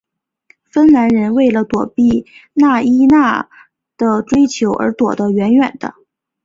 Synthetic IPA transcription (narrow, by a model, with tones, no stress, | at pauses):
fə˥nna˧˥nɻə˧˥nwe˥˩ɪlə˩t̪wɔ˨˩pi˥˩na˥˩i˥na˥˩ | d̪̥ə˨ʈ͡ʂwe˥ɪt͡ɕʰjo˧˥ʊʔə̰˞˧˥t̪wɔ̰˨˩d̪ə˦ɥɛ˧˥nɥɛ̰˨˩nd̪ə̰˦